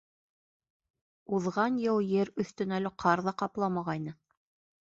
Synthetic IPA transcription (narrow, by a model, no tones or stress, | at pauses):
uðʁɑnjɤwjɘɾɵ̆θt̪ɵ̆nælɘqʰɑɾðɑqɑplˠɑmɑʁɑjnɤ